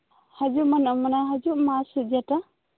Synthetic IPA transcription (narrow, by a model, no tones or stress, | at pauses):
had͡ʒumanamanaɦad͡ʒuʔmasud͡ʒata